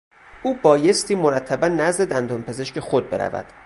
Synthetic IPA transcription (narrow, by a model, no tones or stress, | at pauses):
ʔuːbɒːje̞st̪iːmo̞ɾæt̪ʰːæbænːæzd̪e̞d̪ænd̪onpʰe̞ze̞ʃcʰe̞xod̪̚be̞ɾæ̰væ̰d̪̥